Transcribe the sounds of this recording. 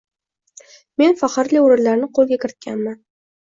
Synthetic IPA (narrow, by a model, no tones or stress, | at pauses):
me̞nfaχɨɾliʊɾɪɾlːaɾnɪqʰolˠɡʲakʲʰɪɾɪt̪̚kʲanman